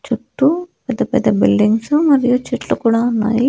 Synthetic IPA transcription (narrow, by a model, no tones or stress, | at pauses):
t͡ʃuʈːupɛd̪ːɐpɛd̪ːɐbilɖiŋɡsumɐɾijut͡ʃiʈlukuːɽaːunːa̰ːji